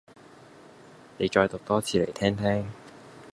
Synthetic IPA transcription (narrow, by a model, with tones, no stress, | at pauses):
ne˨˧jt͡ʃɔː˧jt̪ʊ˨k̚t̪ɔː˥t͡sʰiː˨˧˥le˨˩jt̪ʰɛː˥ŋt̪ʰɛː˥ŋ